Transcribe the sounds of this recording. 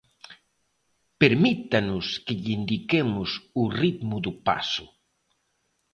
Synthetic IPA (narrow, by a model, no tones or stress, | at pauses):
peɾmit̪anʊskɪʎind̪ikemʊsurit̪mʊðupa̰sʊ